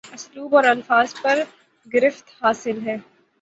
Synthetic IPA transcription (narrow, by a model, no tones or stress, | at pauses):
ʊsluːbɔːɾɐlfaːzpɐɾ | ɡɪɾɪft̪haːsɪlɦɛː